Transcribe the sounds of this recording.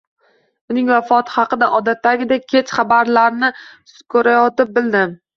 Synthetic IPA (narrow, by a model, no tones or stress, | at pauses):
ʊnɪŋvafɒt̪ʰɪ̥hɑqɨd̪aʔɒd̪at̪ːaɡʲɪd̪akʲʰe̞t͡ʃχɑbaɾlaɾnɪ | kʰɵɾajɒt̪ɪp̚bɪld̪ɪ